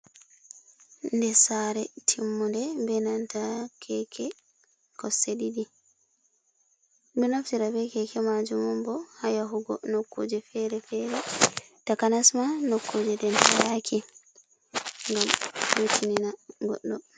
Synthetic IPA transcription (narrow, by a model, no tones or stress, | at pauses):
ndɛsaɾɛtʰimːundɛbɛnantakʰɛkʰɛ | kɔseɗiɗi | bɛnaftiɾabɛkɛkɛmad͡ʒumumbɔhajaɦuɡɔ̰nokːo̰d͡ʒɛfɛɾɛfɛɾɛtakanasmanokːod͡ʒɛdɛnajakʰi | ŋɡamhutʰininaɡɔ̰ɗːɔ